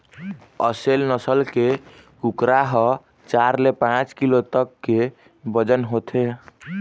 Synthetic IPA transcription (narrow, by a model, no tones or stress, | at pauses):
əselnəsəlke | kukɾaɦɔ | t͡ʃaɾlepãt͡ʃkilot̪əkːe | bəd͡ʒənɦot̪ʰe